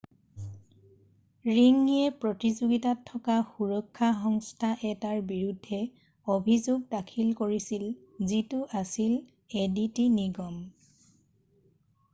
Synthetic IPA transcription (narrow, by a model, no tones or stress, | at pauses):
ɹiŋiɛpɹɔtizoɡitatʰːɔkaxuɹɔkʰːaxɔŋstʰaʔɛtaɹbiɹudʱːɛ | obʱizoɡ̚dakʰilkoɹisil | zitʊʔasil | editiniɡɔm